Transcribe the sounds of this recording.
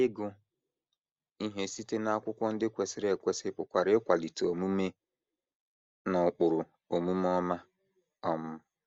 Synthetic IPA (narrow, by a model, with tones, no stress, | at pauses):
ɪ˦ɡʊ˦ | i˦ɦe˦si˦te˦na˦a˦kʷʊ˦kʷɔ˦n̩˦dɪ˦kʷe˨sɪ˦ɾe˨kʷe˨sɪ˦pʊ˨kʷa˨ɾɪ˦kʷa˨li˨to˨mu˦me˦ | nɔ˨k͡pʊ˨ɾʊ˨ | o˨mu˦m˦ɔ˦ma˦ | ɔ˦mʊ˦